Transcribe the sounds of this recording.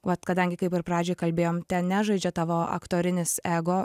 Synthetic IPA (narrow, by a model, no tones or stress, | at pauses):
ʋɐt̪kɐd̪ɐŋʲɡʲɪkɐɪpɪɾpɾɑːd͡ʒʲoːjkɐlʲbʲeːjoːmt̪ʲɛnnʲæːʒɐɪd͡ʒʲɛt̪ɑːʋoːɐ̰kt̪oːɾʲɪnʲɪsæːɡoː